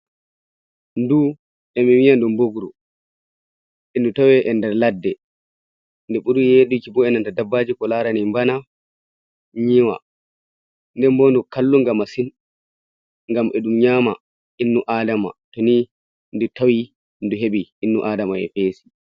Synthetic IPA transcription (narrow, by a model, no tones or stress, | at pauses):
ndu | ɛmiwijandumboɡɾṵ | ʔɛndutawɛʔɛndɛɾladːɛ | ndɛɓuɗujɛɗukibɔɛnantadabːaːd͡ʒikɔlaɾanimbana | ɲiwa̰ | ndɛmbɔndukalːuŋɡamasin | ŋɡamʔɛɗumɲaːma | ʔinːuʔaːdama̰tɔni | ndutawi | nduɦeɓiʔinːuʔaːdamaɛ̰feːsi̥